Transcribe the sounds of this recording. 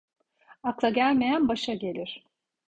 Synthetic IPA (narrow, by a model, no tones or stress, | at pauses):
aklˠaɟælʲme̞jænbaʃaɟe̞lʲiɾ̥